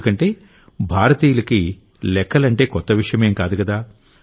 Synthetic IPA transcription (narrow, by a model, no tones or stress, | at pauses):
kɐɳʈe̞ː | bʱaːɾɐt̪iːjulɐki | lɛkːɐlɐɳʈe̞ːkɔt̪ːɐʋiʂɐjɐme̞ːmkaːd̪ukɐd̪aː